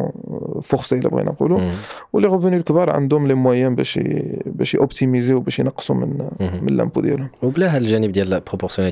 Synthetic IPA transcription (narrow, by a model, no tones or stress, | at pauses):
fʊxsˤilæ̰bɣḭnɑ̰qṵluwəlːiɣəfunilkbɑɾˤʕa̰nd̪ʊmlimwæjənbæ̰ʃbæʃjʔʊbt̪imiziwbæʃjnɑqːsumənmənlːæ̰mpud̪jæ̰lhʊmwblæɦælʒænəbd̪jælpʁopɔʁsjon